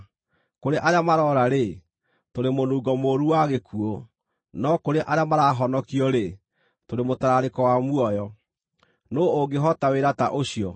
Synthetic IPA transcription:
koɾeʔaɾeamaɾɔɾaɾe | toɾemonuːɡɔmoɾuwaɣekʰuo | nɔkoɾeʔaɾeamaɾaɦɔnɔkiɔɾe | toɾemotaɾaɾekɔwamuɔjɔ | noːɡeɦɔtaweɾata̰ʔoɕiɔ

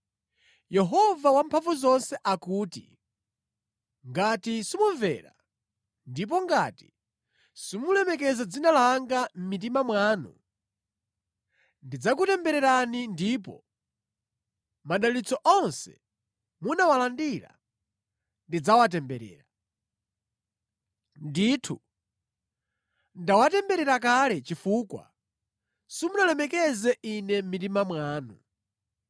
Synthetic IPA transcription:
jɛɦɔvawampʰaɱvuzɔnsɛʔakuːtḭ | ŋɡatisimuɱvɛ̰ɾa̰ | ndip̬ɔŋɡati̥ | simulɛmɛkɛzad͡zinalaŋɡam̩mit̬imamwaːnṵ | ndid͡zak̬utɛmbɛɾɛɾanindiːp̬ɔ̰ | maɗalit͡sɔʔɔnsɛ̥̰ | munawalandiɾa̰ | ndid͡zawat̬ɛmbɛɾɛ̰ːɾa | nditʰu | ndawatɛmbɛɾɛɾak̬alɛt͡ʃifukwa̰ | simunalɛmɛkɛzɛʔinɛmitimamwaːnu

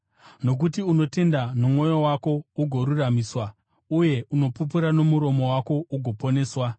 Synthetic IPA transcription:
no̞k̬utiuno̞te̞ndanomŋo̞jo̞wako̞uɡʱo̞ɾuramiːswa | uje̞ʔuno̞pup̬uɾano̞muɾo̞mo̞wako̞uɡʱo̞po̞ne̞ːswa

